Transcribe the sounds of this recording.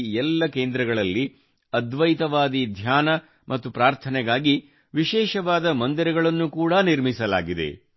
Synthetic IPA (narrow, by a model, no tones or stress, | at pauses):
ɛlːɐkeːnd̪ɾɐɡɐɭɐlːi | ɐd̪ʋɐjt̪ɐʋaːd̪id̪ʱjaːnɐ | mʔɐt̪ːupɾaːɾt̪ʰɐnɛɡaːɡi | ʋiʃɛːʃɐʋaːd̪ɐmɐnd̪iɾɛɡɐɭɐnːukuːɽɐniɾmisɐla̰ːɡid̪e̞̰